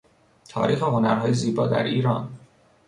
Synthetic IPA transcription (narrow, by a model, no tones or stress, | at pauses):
t̪ʰɒ̰ːɾiːxeɦo̞næɾɦɒːjeziːbɒ̰ːd̪æ̰ɾiːɾɒ̰ːn